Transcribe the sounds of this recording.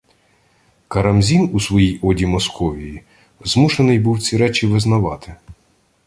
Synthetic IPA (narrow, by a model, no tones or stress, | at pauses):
kɐɾɐmzʲinusʋɔjijɔdʲimɔskɔʋʲiji | zmuʃenɪjbuwt͡sʲiɾɛt͡ʃʲiʋɪznɐʋɑt̪ɪ